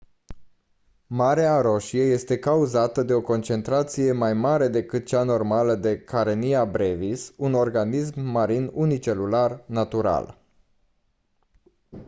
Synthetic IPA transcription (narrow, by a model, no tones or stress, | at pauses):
maɾeaɾo̞ʃieje̞st̪e̞kauzat̪əd̪e̞o̞ko̞nt͡ʃe̞nt̪ɾat̪sije̞majmaɾe̞d̪e̞kɨt̪̚t͡ʃano̞rmaləd̪e̞kʰaɾeniabɾevisuno̞rɡanis̬mːaɾinunit͡ʃe̞lularnat̪uɾa̰l